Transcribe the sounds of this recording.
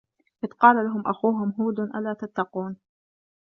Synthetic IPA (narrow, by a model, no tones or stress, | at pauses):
ʔɪd̪qɑːlalaɦʊmʔaxuːɦʊmɦuːd̪nʔalaːt̪at̪ːɑquːn